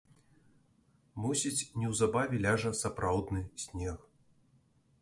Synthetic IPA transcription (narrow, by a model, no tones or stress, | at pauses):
musʲit͡sʲnʲɛwzabavʲɛlʲaʐɐsapɾawd̪nɨsʲnʲex